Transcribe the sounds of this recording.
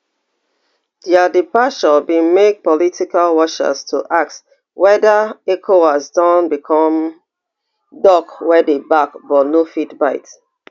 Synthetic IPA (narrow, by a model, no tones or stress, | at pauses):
diadipaʃɔbĩmek̚pɔlitikalwɔʃə̰stʰuʔak̚t | wɛdəekʰowasdɔ̃nbikʰɔ̃m | dɔkwɛdebakbɔnofitbaɪt